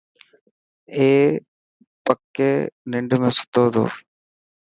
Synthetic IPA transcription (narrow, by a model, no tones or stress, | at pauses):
eː | pɐkːeniɳɖɨmesi̥t̪ːoːðo̰